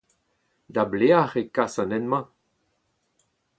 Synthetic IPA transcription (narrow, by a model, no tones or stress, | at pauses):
dableaʁekasãnɛnmɑ̃